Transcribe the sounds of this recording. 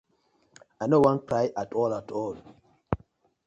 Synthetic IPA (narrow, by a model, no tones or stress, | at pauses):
ajnowãnkɹajʔatʰɔlatʰɔl